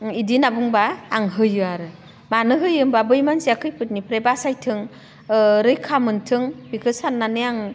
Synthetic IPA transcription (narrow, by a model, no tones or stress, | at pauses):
idinabuŋbaːŋɦɯjɯaɾɯ | manɯɦɯjɯmbabɯjmansiakʰɯjpʰɯt̚nipɾebasajtʰɯŋ | ɾɯjkʰamɯntʰɯŋbikʰɯsanːanɯjaŋ